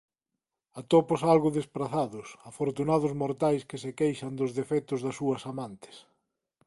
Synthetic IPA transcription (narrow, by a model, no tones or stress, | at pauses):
at̪ɔpʊsalɣʊðespɾaθaðʊsafoɾt̪unaðʊzmoɾt̪ajskɪsekejʃɐnd̪ʊzðefɛt̪ʊzðɐsuɐsamant̪ɪ̥s